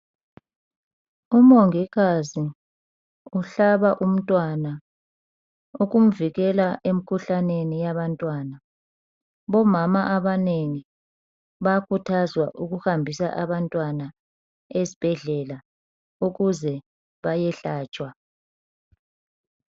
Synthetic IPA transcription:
umoŋiɣazi | uɬaβaʔum̩tʼwana | uɣum̩viɣɛlaʔem̩kʰuɬanenijaβantʼwana | βɔmamaʔaβaneŋi | βakʰutʰazwaʔuɣuhambʱisa̰ʔaβantʼwana | ezib̥ʱɛɮɛla | uɣuzɛ | βajɛɬaːt͡ʃʼwa

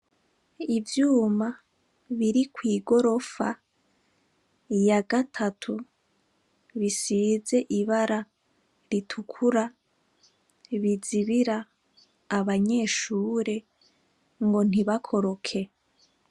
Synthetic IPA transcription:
ivjuːma | βiɾikwiːɡo̞ɾo̞fa | jaɡatʰatʰu | βisize̞ʔiβaɾa | ɾitʰukʰuɾa | βiziβiɾaː | βaɲe̞ːʃuːɾe̞ | ŋɡo̞n̥iβakʰo̞ɾo̞kʰe̞

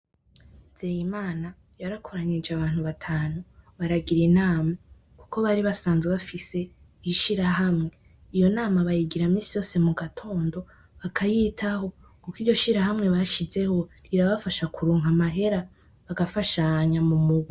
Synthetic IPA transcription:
nzejimaːna | jaɾakʰoɾaɲid͡ʒeaβaːn̥huβatʰaːnuβaɾaɡiɾinaːma | kukʰo̞βaɾiβasaːnzweβafise̞ | iʃiɾaɦamŋe̞ | ijo̞naːmaβajiɡiɾamiːsijo̞ːse̞muɡatʰo̞ːndo̞ | βakʰajitʰaho̞ | kukiːɾɟo̞ʃiɾaɦamŋe̞βaʃize̞ho̞ɾiɾaβafaʃakʰuɾuːŋɦamaɦe̞ɾa | βaɡafaʃaɲamumuɡwi

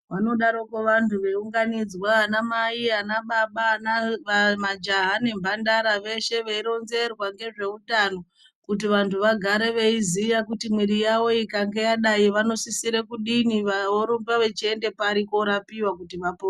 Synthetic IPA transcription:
ʋano̞ɗaɾo̞keʋantʰuʋeuŋɡanid͡zwaːnamaianaɓaɓanaʋamad͡ʒaɦane̞mbʱandaɾaʋe̞ʃe̞ʋeiɾo̞nze̞rwaŋɡe̞ʐe̞uɗano̞ | kut̬iʋantʰuʋaɡʱaɾe̞ʋe̞izijakutimwiɾijawo̞ikaŋɡe̞jaɗaiʋano̞sisiɾe̞kuɗiniʋaoɾumbaʋe̞t͡ʃie̞nde̞paɾiko̞ɾapiwakutiʋapo

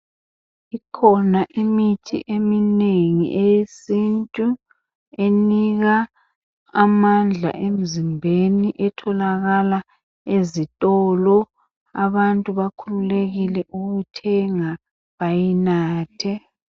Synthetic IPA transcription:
ikʰɔnaʔimitʰḭʔemineŋḭʔejesintʼu | eniɣaː | mand͡ɮʱa̰ʔem̩zimbʱeniʔɛtʰɔlaɣala | ezitʼɔlɔ | a̰βantʼuβakʰululeɣilɛʔuɣutʰɛŋa | βajinaːtʰɛ

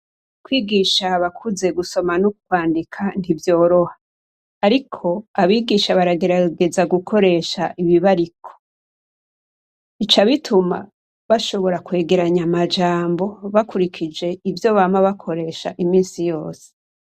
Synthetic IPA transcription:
kwiːɡiːʃaβakʰuze̞ɡuso̞manukwaːndikʰan̥ivjo̞ːɾo̞haː | ɾikʰo̞aβiːɡiːʃaβaɾaɡe̞ɾaɡe̞zaɡukʰo̞ɾe̞ʃaʔiβiβaɾikʰo̥ | it͡ʃaβitʰuma̰ | βaʃo̞βo̞ɾakwe̞ːɡe̞ɾaɲamad͡ʒaːmbo̞βakuɾikʰid͡ʒe̞ivjo̞βaːmaβakʰo̞ɾe̞ʃa̰ʔimiːnsijo̞ːse̥

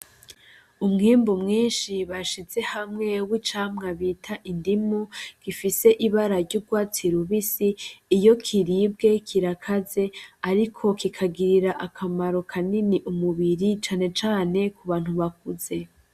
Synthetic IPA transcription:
umŋiːmbumŋiːnʃiβaʃize̞hamŋe̞wit͡ʃaːmŋaβiːtʰaʔindimuɡ̥ifise̞ʔiβaɾaɾɟuːb̚ɡwaːt͡siɾuβisiːjo̞kʰiɾiːb̚ɡe̞kʰiɾakʰaze̞aɾikʰo̞kikʰaɡiɾiɾaʔakʰamaɾo̞kʰaniniʔumuβiɾit͡ʃaːne̞t͡ʃaːne̞kuβaːn̥huβak̚uze̞

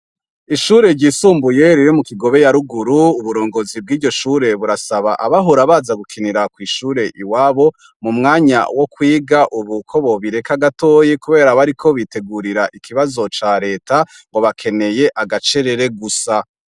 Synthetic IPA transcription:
iʃuːɾe̞ɾɟiːsuːmbuje̞ɾiɾimukiɡo̞βe̞jaɾuɡuɾuuβuɾo̞ːŋɡozib̚ɡiːɟo̞ʃuːɾe̞βuɾasaβaʔaβaɦoɾaβazaɡukʰiniɾakwiːʃuːɾe̞ʔiwaːβo̞ | mumŋaːɲa̰wo̞kwiːɡaʔuβukʰo̞βo̞βiɾe̞kaɡato̞ːjikuβe̞ːɾaβaɾikʰo̞βite̞ɡuɾiɾaʔikʰiβazo̞t͡ʃaɾe̞ːta | ŋɡo̞βakʰe̞ne̞je̞ʔaɡat͡ʃe̞ɾe̞ɾe̞ɡusa

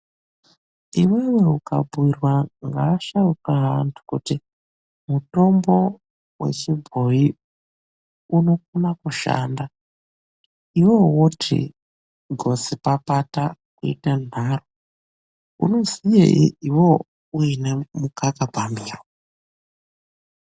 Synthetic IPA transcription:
iwewe̞uka̰bwirwaŋɡaːʃauraɦantʰu̥kuti | muto̞mbo̞ | we̞̰t͡ʃibʱo̞i | uno̞k̚unakuʃa̰ːnda | iwowotʰḭ | ɡʱo̞sipapatakuḭtan̤aro | ṵno̞zijḛḭiwo̞ | uinemukakabʱamiːrwo

